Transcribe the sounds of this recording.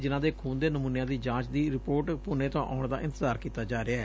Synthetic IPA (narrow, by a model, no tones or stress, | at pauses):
d͡ʒɪnãːd̪eːkʰuːnd̪eːnəmũːnjãːd̪iːd͡ʒãːt͡ʃd̪iːɾɪpoːʈpʊnẽːt̪õːʔa̰ːʊɳd̪a̰ːʔɪ̃nt̪əzaːɾkiːt̪aːd͡ʒaːɾeaːɛː